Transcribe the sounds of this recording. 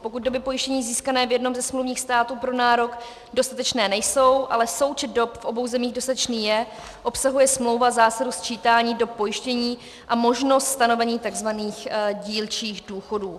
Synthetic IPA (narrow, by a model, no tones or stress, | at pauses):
po̞kut̪̚do̞bɪpojɪʃcɛɲiːziːskanɛːvjɛdno̞mzɛsmluwvɲiːxst̪aːt̪uːpɾo̞naːɾo̞k | do̞st̪at̪ɛt͡ʃnɛːnɛjso̞wʔalɛso̞wt͡ʃɛt̪̚dopfʔo̞bo̞wzɛmiːɣdost̪at̪ɛt͡ʃniːjɛ | ʔo̞psaɦujɛsmlo̞wvazaːsadost̪̚t͡ʃiːt̪aːɲiːdo̞p̚ːo̞jɪʃcɛɲiː | ʔamo̞ʒno̞st̪st̪ano̞vɛɲiːt̪aɡzvaniːxɟiːlt͡ʃiːxduːxo̞duː